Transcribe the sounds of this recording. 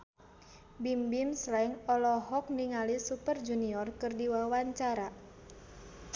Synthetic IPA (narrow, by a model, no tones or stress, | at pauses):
bimbimslaiŋɔlɔɦɔk̚niŋalisupərd͡ʒuniɔrkɨrdiwawaɲt͡ʃaɾa